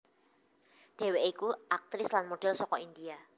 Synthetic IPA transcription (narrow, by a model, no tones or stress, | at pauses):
ɖ̥e̤weʔikuʔak̚t̪ɾɪslanmoɖ̥ɛlsɔkɔind̪ia